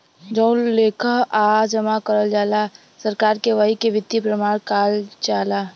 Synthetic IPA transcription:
d͡ʒɔːlleːkʰəɦaːd͡ʒəmakəɾəld͡ʒaːla | səɾkaːɾkeʋəɦikeʋɪd̪ipɾəmaːɽ̃kaːlt͡ʃaːlaː

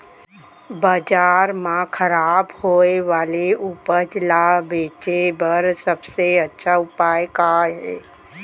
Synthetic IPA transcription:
bəd͡ʒaːɾmãkʰəɾaːbhoːeʋaːleupəd͡ʒlabeːt͡ʃebəɾsəbseətːʃʰaʊpaːekaɦɛː

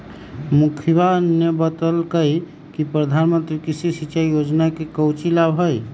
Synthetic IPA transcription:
mukʰbanjəbət̪əlkəj | kipɾəd̪ʱanmənt̪ɾikisisiʃajod͡ʒnakekəwt͡ʃilabɦəj

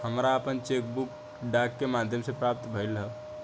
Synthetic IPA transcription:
həmɾaəpənt͡ʃeːkbuk | ɖaːkːemaːd̪ʱjəmsepɾaːp̚t̪bʱəɪlɦɛ

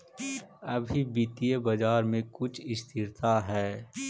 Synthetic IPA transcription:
ɐbʱibiːt̪ijebɐd͡ʒaːɾmẽkʊt͡ʃʰɪst̪ʰɪɾt̪aɦɛː

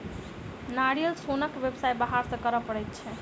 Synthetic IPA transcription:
naɽijəlsonəkʋjəbsajbaɦaɾsə̃kəɾəpəɽɛt̪̚t͡ʃʰɛ

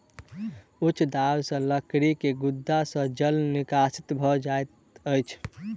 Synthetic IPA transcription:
ut͡ʃʰːd̪awsə̃ləkɾikeɡud̪ːasə̃d͡ʒəlnikasi̥t̪bʱɔd͡ʒaet̪ | əjt͡ʃʰ

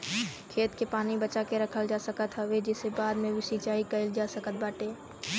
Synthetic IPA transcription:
kʰeːt̪kepaːnibɐt͡ʃakeɾɐkʰəld͡ʒaːsəkət̪ɦəʋed͡ʒɪsebaːd̪mẽʋɪsit͡ʃaːikɐɪld͡ʒaːsəkət̪̚baːʈeː

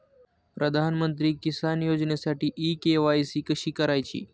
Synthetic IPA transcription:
pɾəd̪ʱanmənt̪̬ɾiːkisanjod͡ʑnesaʈiːʔikeʋajsiːkəɕiːkəɾajt͡ɕḭː

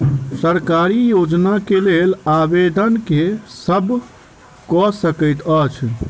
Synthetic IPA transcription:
səɾkaɾijod͡ʒnakelelabed̪ʱənkesəb | kɔsəkəjt̪ət͡ʃʰ

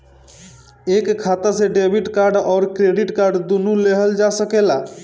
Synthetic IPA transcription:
ekkʰːat̪aseɖebʱiʈkaɾɖɔɾkɾeɖiʈkaɾɖd̪unuleɦɔld͡ʑasɔkela

